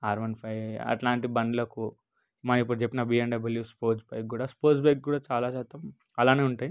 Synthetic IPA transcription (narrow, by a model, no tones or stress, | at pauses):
aːɾmɐnpʰɐjɐ̰ʈlaːɳʈibɐnd̪lɐku | imaːipːuɽut͡ʃepːinɐbiːenɖɐbɐljuspoːɾt͡ʃbɐjk̚ɡuːɽaːspoːsbek̚kuːɽaːt͡ʃaːlaːt͡ʃaːt̪ːɐm | ɐlaːneːuɳʈaːji